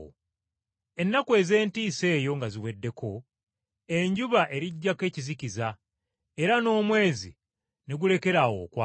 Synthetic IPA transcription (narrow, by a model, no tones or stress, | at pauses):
o̰ | e̞nːakwe̞ze̞ːntiːse̞ːjo̞ŋɡaziwe̞dːe̞kʰo̞ | eɲɟuβaʔe̞ɾiɟːake̞ːciziciza | e̞ɾano̞ːmwe̞ːzi | ne̞ɡule̞ke̞ɾawo̰ːkwa